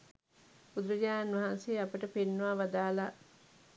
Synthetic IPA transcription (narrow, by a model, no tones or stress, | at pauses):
bud̪uɾəd͡ʑaːanʋaɦanseːapəʈəpenːuʋaːʋad̪aːla